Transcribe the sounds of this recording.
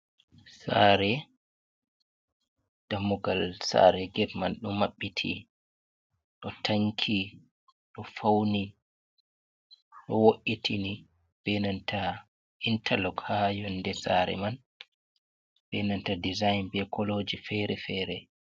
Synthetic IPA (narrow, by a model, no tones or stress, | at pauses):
sa̰ːɾɛ | d̥amːuɡalsa̰ɾɛɡɛdmanɗumːaɓːitʰḭ | ɗɔtʰaŋkʰi | ɗɔfawni | ɗɔwoʔitʰini | b̥ɛnanta | intʰalɔɡhajɔndɛsa̰ɾɛ̰man | b̥ɛnantadizajnbɛkʰɔlod͡ʒifɛɾɛfɛːɾɛ